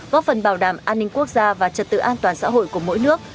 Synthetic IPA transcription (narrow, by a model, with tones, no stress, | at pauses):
kɔ˨˦fə˨˩nɓaː˧˩wɗaː˧˩mʔaː˧nːï˧ŋ̟ku˦˥ək̚zaː˧vaː˨˩t͡ɕə˨˩t̚t̪ɨ̰˧˨ʔaː˧nt̪waː˨˩nsa̰ː˧˥ɦo̰˧˨jku˧˩əmo̰˧˥jnɨ˦˥ək̚